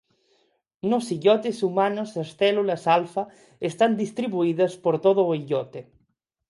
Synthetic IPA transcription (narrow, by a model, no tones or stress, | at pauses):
nosiʎɔt̪esumanosasθɛlulɐsalfɐ | est̪and̪ist̪ɾiβuiðɐspoɾt̪oð̞oːiʎɔt̪e